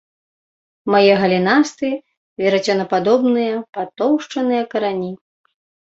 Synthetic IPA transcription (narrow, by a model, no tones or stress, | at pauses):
majɛɣɐlʲinast̪ɨ | vʲɛɾat͡sʲɔnɐpad̪ɔbnɨjɐpat̪ɔwʂt͡ʂɐnɨjɐkɐɾanʲi